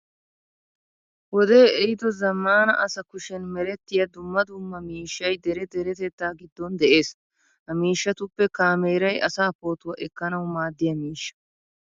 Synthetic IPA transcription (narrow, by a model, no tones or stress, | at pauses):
wɔd̪e̞ːɛjɪd̪ɔzɐmːaːnɐ̰ʔɐsɐkʊʃɛnmɛɾɛt̪ːɪjɐd̪ʊmːɐd̪ʊmːɐmiːʃːɐjd̪ɛɾɛd̪ɛɾɛt̪ɛt̪ːaːɡɪd̪ːɔnd̪ɛʔe̞ːs | hɐmiːʃːɐt̪ʊpːɛkaːmeːɾɐjɐsaːpo̞ːt̪ʊwɐʔɛkːɐnɐwmaːd̪ːɪjɐmiːʃːɐ̥